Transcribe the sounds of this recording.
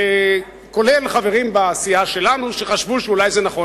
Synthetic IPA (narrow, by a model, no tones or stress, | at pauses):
ko̞lelχave̞ʁimbaːsiaʃe̞lanuʃeχaʃvuʃeulajzenaχo̞